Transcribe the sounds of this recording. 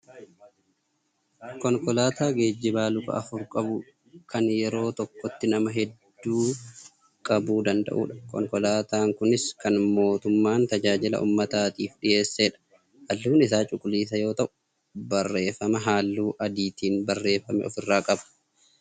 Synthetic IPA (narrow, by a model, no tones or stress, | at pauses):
kɔŋkʼɔlaːt̪aːɡe̞ːd͡ʒːɪbaːlʊkɐ̰ʔɐfʊɾkʼɐbʊ | kʰɐnjɛɾo̞ːt̪ɔkːɔt̪ːɪnɐmɐɦɛd̪ːuː | kʼɐbuːd̪ɐnd̪ɐ̰ʔṵːᶑɐ̥kɔ̰ŋkɔlaːt̪aːŋkʊnɪskɐnmo̞ːt̪ʊmːaːnt̪ɐd͡ʒaːd͡ʒɪlɐ̰ʔṵmːɐt̪aːt̪iːfᶑɪje̞ːsːeːᶑɐ̥ | hɐlːuːnɪsaːt͡ʃʼʊkʼːʊliːs̬ɐjo̞ːt̪ɐʔʊ̥ | bɐrːe̞ːfɐmɐɦaːlːuːʔɐd̪iːt̪iːnbɐrːe̞ːfːɐmɛ̰ɔfɪrːaːkʼɐbɐ̥